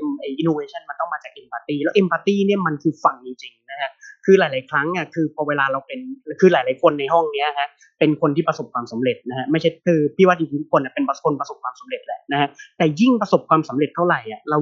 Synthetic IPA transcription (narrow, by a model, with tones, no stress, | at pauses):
ʔa˨˩jʔi˧noː˧eː˧t͡ɕʰa˥˩nma˧nt̪ɔ˥˩ŋmaː˧t͡ɕaː˨˩k̚ʔe˧mpaː˧t̪iː˥˩lɛː˦˥wʔe˧mpaː˧t̪iː˥˩ni˥˩ɐma˧nkʰɯː˧fa˧ŋt͡ɕi˧t͡ɕi˧ŋna˦˥kʰa˦˥kʰɯː˧laː˨˦laː˨˦jkʰɾa˦˥ŋʔa˧˩kʰɯː˧pʰɔː˧weː˧laː˧ɾa˧wpe˧nkʰɯː˧laː˨˩˦jlaː˨˦jkʰo˧nːa˧jɦɔ˥˩ŋni˦˥ɐkʰa˦˥ʔ | pe˧nkʰo˧nt̪ʰiː˥˩pɾa˧so˨˩p̚kʰwaː˧msa˩˦mɾe˨˩t̪̚na˦kʰa˦˥ma˥˩jʰt͡ɕʰa˥˩kʰɯː˧pʰiː˥˩wa˦˥˩i˧ki˧t̪u˦˥kʰːo˧na˨˩pe˧npkʰo˧npɾa˧so˨˩p̚kʰwaː˧msa˩˦mɾe˨˩t̪̚lɛ̰˨˦˩ʔna˦˥kʰa˦˥t̪ɛː˨˩ji˥˩ŋpɾa˧so˨˩p̚kʰwaː˧msa˩˦mɾe˨˩t̪ʰːa˥˩ɾa˨˩jʔa˨˩ɾa˧w